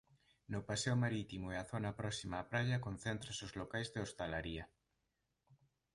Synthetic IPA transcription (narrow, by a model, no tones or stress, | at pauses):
nʊpasɛomaɾit̪imoeaθonapɾɔsimaːpɾaʎakon̟θent̪ɾasozlokajzðeost̪alaɾiɐ